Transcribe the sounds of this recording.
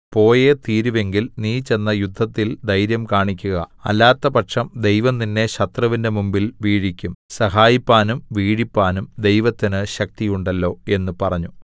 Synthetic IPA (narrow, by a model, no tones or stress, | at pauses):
po̞ːjet̪iːɾuʋe̞ŋɡilniːt͡ɕe̞nːɐjud̪ʱːɐt̪ːild̪ʱɐjɾjɐmkaːɳikʲːuɣɐɐ̰lːaːt̪ːɐpɐʈʂɐmd̪e̞jʋɐmninːe̞ɕɐt̪rɐʋinde̞mumbilʋiːɻikʲːumsɐɦaːjipːaːnumʋiːɻipːaːnumd̪e̞jʋɐt̪ːinɨɕɐk̚t̪ijuɳɖɐlːo̞ːe̞nːupɐrɐɲːu